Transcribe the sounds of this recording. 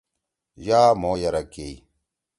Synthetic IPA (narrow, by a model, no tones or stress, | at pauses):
jaːmoːjɐɾɐke